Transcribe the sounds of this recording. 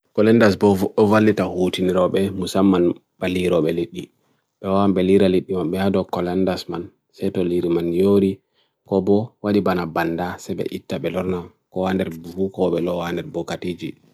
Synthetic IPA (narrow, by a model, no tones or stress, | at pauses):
kɔlɛndasbɔvuɓɔvalːitahutiniɾɔɓɛmusamːanb̥aliɾɔɓɛliɗːi | ɓɛwawambɛliɾaliɗːimamɓɛhadɔkɔlɛndasman | sɛjtɔliɾimanjoɾi | kɔbɔwaɗibanabandasɛbɛ̰ʔitːaɓɛlɔɾna | kɔwandɛɾbuhukɔɓɛlɔwandɛɾbɔkatid͡ʒi